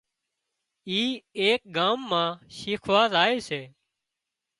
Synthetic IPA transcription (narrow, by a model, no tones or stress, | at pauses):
iːeːk̚ɡaːmːãːʃiːkʰʋaːzaːeːseː